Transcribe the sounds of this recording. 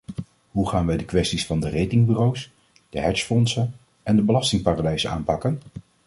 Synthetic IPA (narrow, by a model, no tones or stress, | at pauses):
ɦuχaːnʋɛjdəkʋɛstisfɑndərejtɪŋbyrows | d̥əɦɛɹsfɔnsən | ɛndəbəlɑstɪŋpaːraːdɛjzəna̰ːmpɑkən